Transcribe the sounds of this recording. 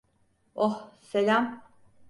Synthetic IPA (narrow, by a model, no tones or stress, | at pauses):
ohselʲam